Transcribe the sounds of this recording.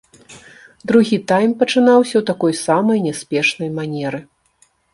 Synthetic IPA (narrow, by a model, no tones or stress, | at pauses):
d̪ɾuɣʲit̪ajmpɐt͡ʂɨnawsʲɐwt̪akɔjsamɐjnʲɛspʲɛʂnɐjmanʲɛɾɨ